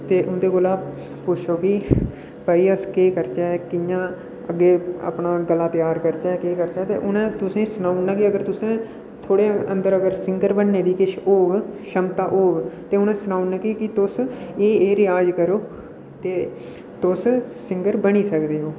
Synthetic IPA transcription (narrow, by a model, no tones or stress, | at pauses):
t̪eːʔʊnd̪eːkʊlaː | pʊt͡ʃʰoːki | pəːiːəskeːkəɾt͡ʃaːɛkɪjãː | əɡːeːə̰pnaːɡəlaːt̪ɪjaːɾkəɾt͡ʃaːɛkeːkəɾt͡ʃaːt̪ḛːʔʊnẽːt̪ʊsẽːsʊnaːunaːkiəɡəɾt̪ʊsẽː | t̪ʰoːɽeːənd̪əɾəɡəɾsɪŋɡəɾbənːeːd̪iːkɪʃoːɡʃəmt̪aːʔoːɡt̪eːʊnẽːsʊnaːunaːkikɪt̪ʊseːeːɾɪjaːd͡ʒkəɾoː | t̪eː | t̪ʊssɪ̃ŋɡəɾbəɽ̃iːsəkd̪eːɦoː